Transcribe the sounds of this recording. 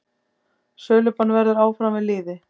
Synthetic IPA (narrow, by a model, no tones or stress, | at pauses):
sœːlʏpanvɛɾðʏɾaːwfɾamvɪðlɪːðɪ